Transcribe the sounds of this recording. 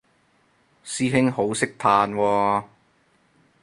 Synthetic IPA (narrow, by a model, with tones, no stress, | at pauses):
siː˥ɦɪ˥ŋho˨˥wsɪ˥k̚t̪ʰaː˧nwɔː˧